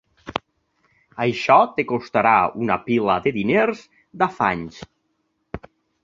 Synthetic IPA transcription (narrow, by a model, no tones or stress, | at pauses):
əjʃɔt̪ekost̪aɾaunapiləðeðineɾz | d̪afa̰ɲs